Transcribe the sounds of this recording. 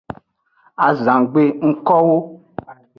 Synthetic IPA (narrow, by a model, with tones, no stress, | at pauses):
a˨zã˨ɡ͡be˦ŋ̩˦kɔ˦wo˦